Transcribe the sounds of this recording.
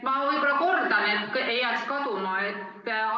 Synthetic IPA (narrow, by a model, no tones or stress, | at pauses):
mɑɤjbɾɑkord̪ɑnet̪kejækskɑd̪umɑet̪ː